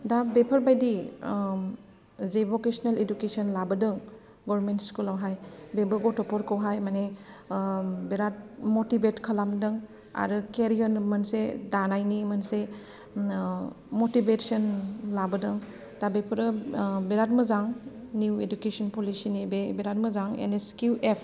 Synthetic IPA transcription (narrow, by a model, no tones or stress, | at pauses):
dabepʰɐɾbajdi | zebokesneledukesɔnlabɯdɯŋ | ɡɔɾmentskulawɦajbebɯɡɔtɔpʰɔɾkʰɔwɦajmane | beɾat̚motibetkʰɐlamdɯŋ | a̰ɾɯkeɾiɔnmɐnsedanajnimɐnse | motibetsɔnlabɐdɯŋ | tabepʰɯɾɯbeɾatmɯzaŋ | niwedukesɔnpolisinibebeɾat̚mɯzaŋḛneskuepʰ